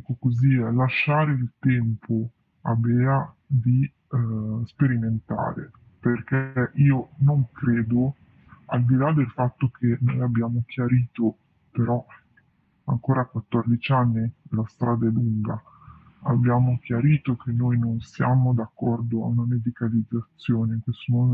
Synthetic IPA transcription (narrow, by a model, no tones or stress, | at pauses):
kokoziɛlaʃːaːɾeilt̪ɛmpʰo | abɛa | d̪i | speɾiment̪a̰ːɾḛ | perkɛɛʔiːonoŋkɾeːd̪o | ald̪ilad̪elfat̪ːokʰenojabːjaːmok̟ʰjaɾiːt̪o | peɾɔ | aŋkoːɾakwat̪ːɔrd̪it͡ʃanːilast̪ɾʔaːd̪ɛluŋɡa | abːjaːmok̟jaɾiːt̪okʰenːojnonsjaːmod̪akːɔrd̪oa̰unamed̪ikalid̪zːat̪sːjoːnekesonon